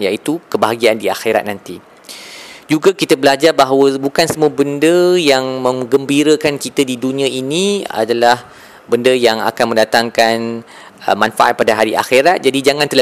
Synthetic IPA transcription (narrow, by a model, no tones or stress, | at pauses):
jait̪ukəbaɦaɡiandiaxeɾa̰t̪̚nant̪i | d͡ʒuɡakit̪əbəlad͡ʒarbaɦawəbukansəmũəbəndəjaŋmə̃ŋɡəmbiɾəkankit̪ədidunĩãʔinĩa̰dalah | bəndəjaŋa̰kanməndat̪aŋkan | ə̰manfaʔa̰t̪̚padaɦaɾiʔa̰xeɾat̪̚d͡ʒadid͡ʒaŋãnt̪əla